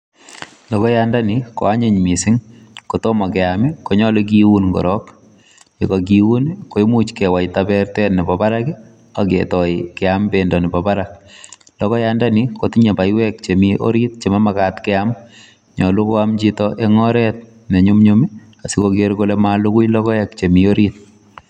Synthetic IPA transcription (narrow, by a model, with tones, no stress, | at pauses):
lɔ˨kɔ˦janda˦niko̰˨a˦ɲe˦ɲmi˨sɪ˦ŋko˨to˦ma˨kɛamiko˨ɲɔ˦lek̬iwu˦nko̰˨ɾɔk | e˨kɔk̬iwu˦nko˨imu˦t͡ʃkewa˨jtabɛrtɛnɛ˨pa˨pa˦ɾaki˦ | a˨kḛtɔ˨ikɛambendɔ˨ni˨pa˨pa˦ɾak̚ | lɔ˦kɔ˦jandaniko˨ti˦ɲe˨pa˨jwɛkt͡ʃe˨miʔo̰˦ɾit̚t͡ʃe˨ma˦makatkɛam | ɲɔ˨lu˦ko˦amt͡ʃitɔʔe˦ŋɔ˦ɾɛt̚ | ne˨ɲu˦mɲomi˦ | a˨si˦kokeɾko˦le˦malu˦ku˦jlɔ˦kɔ˦ɛkt͡ʃe˨mio˦ɾit̚